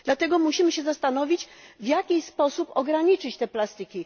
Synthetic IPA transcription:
d̪lat̪ɛɡɔmuɕimɘɕɛzast̪anɔvʲit͡ɕvjakʲispɔsupɔɡɾaɲit͡ʂɘt͡ɕt̪ɛplast̪ɘkʲi

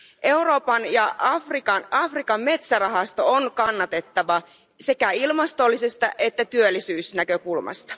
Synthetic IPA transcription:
ʔe̞uɾo̞ːpɑnjɑɑfrikɑnɑfrikɑmme̞t̪særɑɦɑst̪o̞onkɑnːɑt̪e̞t̪ːɑʋɑ | se̞kæilmɑst̪o̞lːisest̪ɑʔe̞t̪ːæt̪yølːisyːsnækø̞kulmɑ̰st̪ɑ̥

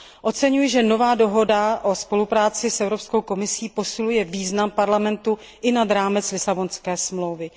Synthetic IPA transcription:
ʔo̞t͡sɛɲujʒɛno̞vaːdo̞ɦo̞daʔo̞spo̞lupɾaːt͡sɪsʔɛvɾo̞psko̞wko̞mɪsiːpo̞sɪlujɛviːznampaɾlamɛnt̪u | ʔɪnad̪ɾaːmɛt͡slɪsabo̞nskɛːsmlowvɪ

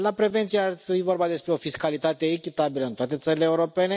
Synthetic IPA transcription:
lapɾe̞ve̞nt̪sijeafiivo̞rbad̪e̞spɾeo̞fiskalit̪at̪e̞ːkʲitt̪abiləɨnt̪oat̪e̞t̪səɾileːuɾo̞pe̞ne̞

